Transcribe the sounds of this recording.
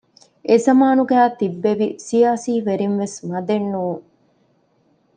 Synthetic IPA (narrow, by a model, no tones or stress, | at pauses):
ʔezɐmaːnuɡæːt̪ibːeʋisijaːsiːʋeɾinʋesmɐd̪enːuːŋ